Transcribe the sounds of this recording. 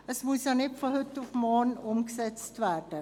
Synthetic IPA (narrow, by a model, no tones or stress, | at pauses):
əsmusjanɪtfɔhʏtːufmɔnʊmksɛt͡stvɛɾd̥ə